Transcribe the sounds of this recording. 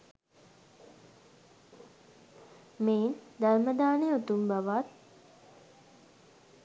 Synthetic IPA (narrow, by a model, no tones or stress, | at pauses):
meːnd̪aɾməd̪aːneot̪umbaʋat̪̚